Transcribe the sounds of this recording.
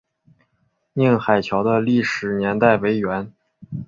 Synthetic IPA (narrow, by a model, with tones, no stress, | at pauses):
ni˥˩ŋxa˨˩ɪt͡ɕʰjɑ˧˥ʊd̪ə˧li˥˩ʂɻ̩˨˩njɛ˧˥nt̪a˥˩ɪwe˧˥ɪɥɛ˧˥n